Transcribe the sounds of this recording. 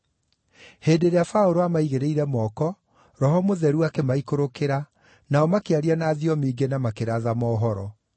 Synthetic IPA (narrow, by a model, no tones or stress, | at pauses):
heːdeɾeafaoɾoamaiɣeɾeiɾɛmɔːkɔ | ɾɔɦɔmoðɛɾuakɛmaikoɾokeɾa | naɔmakeaɾianaːðiɔmiːɡenamakeɾaðamɔːɦɔɾɔ̰